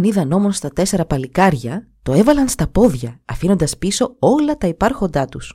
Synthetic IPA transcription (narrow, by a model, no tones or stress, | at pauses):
niðɐno̞mo̞nst̪ɐt̪e̞se̞ɾɐpɐlikɐɾʝɐ | t̪o̞e̞vɐlɐnst̪ɐpo̞ðʝɐːfino̞nd̪ɐspiso̞o̞lɐt̪ɐipɐɾxo̞nd̪ɐt̪us